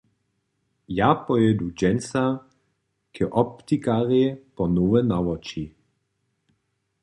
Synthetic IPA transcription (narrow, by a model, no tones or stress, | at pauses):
japɔjɛdud͡ʒɛnt͡sa | kʰɛʔɔpt̪ikaʁepɔnowɛnawɔt͡ʃi